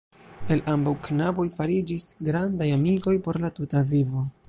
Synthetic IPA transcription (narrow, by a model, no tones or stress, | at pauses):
e̞lambawknabo̞jfaɾid͡ʒisɡɾandajamiɡo̞jpo̞ɾlatutavivo̞